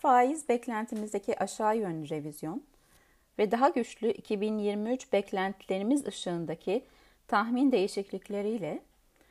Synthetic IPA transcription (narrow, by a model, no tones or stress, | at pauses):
faːjizbɛclʲænt̪ʰimizd̪e̞cʰiʔaʃaːjø̞nɾe̞vizjo̞n | vɛd̪aɦaɟyt͡ʃlʲyʔicʰibinjiɾmiyt͡ʃbɛclʲænt̪ʰlʲeɾimizɯʃɯːnd̪acʰi | t̪ʰaxmind̪e̞jiʃiclʲiclʲe̞ɾijlʲɛ